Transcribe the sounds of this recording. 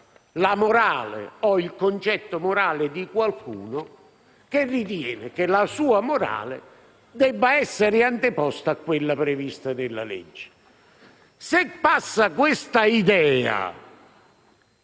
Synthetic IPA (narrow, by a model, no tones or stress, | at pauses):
lamʊɾaːlḛɔilkont͡ʃɛt̪ːomʊɾaːlɪd̪ikwalkʰṵːnʊ | kerːit̪̬jɛːnɪkelasuːamoɾa̰ːlɪ̰ | d̪ɛbːaɛsːeɾɪant̪ɪpɔst̪aakːwɪlːapɾɪvist̪anɪlːa̰lḛd͡ʒːɪ̥ | sɪpːasːakwɪst̪aid̪ɛːa̰